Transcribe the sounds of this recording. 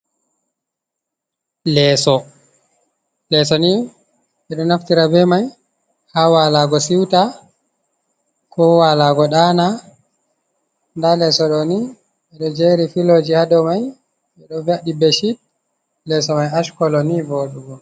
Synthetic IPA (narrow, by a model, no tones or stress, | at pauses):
lɛːsɔ | lɛsɔni | ɓɛɗɔnaftiɾabɛmaj | hawalaɡɔsiwta | kʰɔwalaɡɔɗana | ndalɛsɔɗɔni | ɛɗɔd͡ʒɛɾifilod͡ʒihadɔmaj | ɛɗɔvaɗibɛʃit̚ | lɛsɔmajaʃkɔlɔniboɗuɡɔ